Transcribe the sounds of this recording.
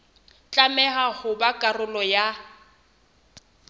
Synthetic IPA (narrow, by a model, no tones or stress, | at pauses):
t͡ɬʼamɛhahʊbakʼarʊlɔja